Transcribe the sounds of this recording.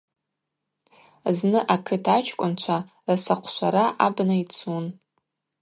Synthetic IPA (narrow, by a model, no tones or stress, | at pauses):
znɨʔakʰɨtʰat͡ʃʰkʷʼʊnt͡ʃʷʰa | rasaqʷʰʃʷʰaɾaʔabnait͡sʰun